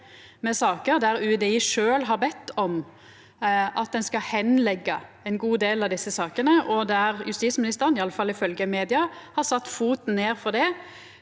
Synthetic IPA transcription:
mɛsɑːkəɾd̪æɾʉːd̪ɛiʂøːlɦɑɾbɛt̪ʰːɔm | ʔɑt̪̚d̪ɛnskɑhɛnlɛɡːɑ | ɛɪnɡuːd̪eːlɑʋd̪ɪsːəsɑːkənəʔɔd̪æɾjʉst̪iːsmɪnɪst̪əʁənɪɑlːəfɑlːɪfœlɡəmeːd̪ɪɑhɑɾsɑt̪ːfuːt̪n̩nːeːɾfɔd̪ɛ

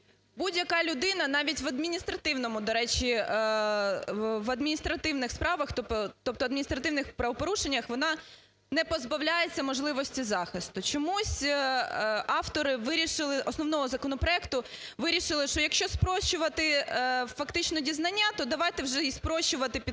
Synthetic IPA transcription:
budʲjɐkɑlʲʊd̪ɪnɐnɑʋʲitʲʋɐd̪mʲinʲist̪ɾɐt̪ɪwnɔmʊd̪ɔɾɛt͡ʃʲi | ʋɐd̪mʲinʲist̪ɾɐt̪ɪwnɪxspɾɑʋɐxt̪ɔp̪ɔt̪ɔp̚t̪ɔɐd̪mʲinʲist̪ɾɐt̪ɪʋwnɪxpɾɐʋɔpɔɾuʃenʲːɐxʋɔnɑ | nɛpɔzbɐwlʲajet͡sʲːɐmɔʒlˠɪʋɔsʲtʲizɑxɪst̪ʊt͡ʃɔmusʲ | ɑft̪ɔɾɪʋɪɾʲiʃɪlˠɪʔɔsnɔwnɔɦɔzɐkɔn̪ɔpɾɔɛkt̪ʊʋɪɾʲiʃɪlˠɪʃt͡ʃɔjɐkʃt͡ʃɔspɾɔʃʊʋɐt̪ɪfɐkt̪ɪt͡ʃnɔdʲiznɐnʲːat̪ɔd̪ɐʋɑjt̪ɛwʒɛispɾɔʃʊʋɐt̪ɪpʲi

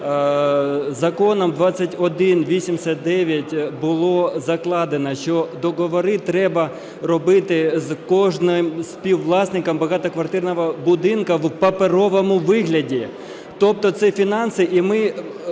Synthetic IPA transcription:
zɐkɔnɔmd̪ʋɑt͡sʲːɐtʲɔd̪ɪnʋʲisʲimsʲɐt̪̚d̪ɛʋʲjɐtʲbʊlˠɔzɐklˠɑd̪enɐʃt͡ʃɔd̪ɔɣɔʋɔɾɪt̪ɾɛbɐ | rɔbɪt̪ɪzkɔʒnɪmsʲpʲiwlˠɑsʲnɪkɐmbɐɣɑt̪ɐkʋɐrt̪ɪrnɔʋɐbʊd̪ɪnkɐwpɐpeɾɔʋɔmʊʋɪɦlʲɐdʲi | t̪ɔp̚t̪ɔt̪sɛfʲinɑnsɪʔimɪ

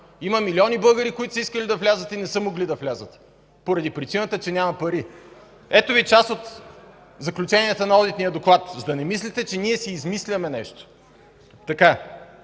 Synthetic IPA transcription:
iməmilʲiɔnibɤɡəɾikoit̪ʊ̥səiskəlid̪ɐflʲazət̪inɛsɤmoɡlid̪ɐflʲazət̪ | poɾɐd̪ipɾit͡ʃinət̪ət͡ʃɛnʲamɐpɐɾi | ɛt̪ovit͡ʃasot̪ | zɐklʲut͡ʃɛniɛt̪ənɐɔd̪it̪nijəd̪oklˠat̪zd̪ɐnɛmislʲit̪ɛt͡ʃɛniɛsiːzmislʲɐmɛnɛʃt̪o̥ | t̪ɐka

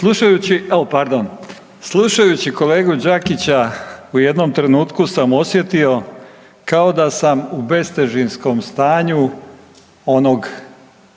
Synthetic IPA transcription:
slˠuʃajut͡ɕiepaɾd̪on | slˠuʃajut͡ɕiko̞le̞ːɡud͡ʒakit͡ɕauje̞d̪no̞mt̪ɾe̞nuːt̪kusamo̞sje̞t̪io̞ | kao̞d̪asamube̞st̪e̞ʒinsko̞mst̪aːɲu | o̞noɡ

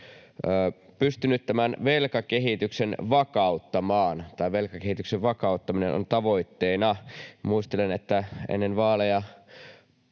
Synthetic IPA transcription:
pyst̪ynyt̪t̪æmænʋelkɑkeɦit̪yksenʋɑkɑut̪ːɑmɑːnt̪ɑiʋelkɑkehit̪ykseʋʋɑkɑut̪ːɑminḛnʔo̰nt̪ɑʋo̞it̪ːeːnɑmuist̪elenet̪ːæḛnːenʋɑːlejɑ

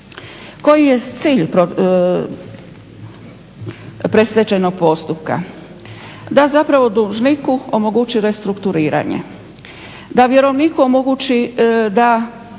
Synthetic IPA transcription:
ko̞jije̞t̪siːʎpɾo | pɾe̞slʲet͡ʃejno̞ɡ̚po̞st̪up̚ka̰ | d̪azapɾaʋo̞d̪uʒnikuomoɡut͡ʃiɾe̞st̪ɾukt̪uɾiːɾa̰ɲḛ | d̪aʋje̞ɾo̞ʋnikuomoɡut͡ʃid̪a

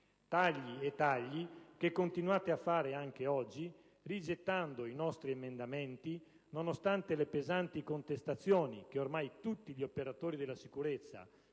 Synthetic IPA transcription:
t̪aʎːiet̪ːaʎːikekːont̪inuaːt̪eafːaːɾeaŋk̟eɔd͡ʒːi | rid͡ʒet̪ːand̪oinɔst̪ɾiemend̪amɛnt̪i | nonost̪ant̪elepezant̪ikont̪est̪at̪sːjoːnḭk̟eormajt̪ut̪ːiʎiopeɾat̪oːɾid̪elːasikuɾet̪sːa̰

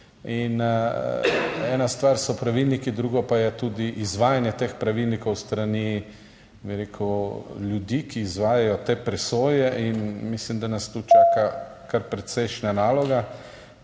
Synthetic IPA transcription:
in | ɛːnast̪ʋaɾsɔpɾaʋilnikid̪ɾuɡɔpajɛt̪uːd̪iʔizʋaːjanjɛt̪eːxpɾaʋilnikɔwst̪ɾani | biɾeːkʰuljud̪ikiːzʋaːjajɔt̪eːpɾɛsoːjɛʔinmislimd̪anast̪uːt͡ʃaːkakaɾpɾɛt̪sɛjʃnanaːlɔɡa

